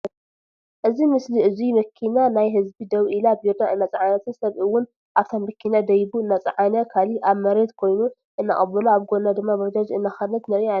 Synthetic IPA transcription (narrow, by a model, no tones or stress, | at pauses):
ʔɨzimɨsliɨzimɐkʰːinanajɦɨzbid̪ɐβʔilabiɾd̪aʔɨnːat͡sʼʕanɐt̪ʰɨnsɐβɨwːʊn | ʔaβt̪ʰomːɐkʰːinad̪ɐjbuɨnːat͡sʼʕanɐkʰaliʔaβmɐɾed̪kʰo̞jnu | ʔɨnːa̰χʼɐbɐluaβɡonad̪ɨmːabɐd͡ʒ̪ad͡ʒɨnːaxɐlɐt̪nɐβia